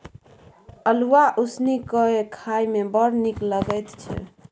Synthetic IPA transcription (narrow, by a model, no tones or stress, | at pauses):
əluaʔusnikəekʰajmebəɽnikləɡəjt̪t͡ʃʰɛ̰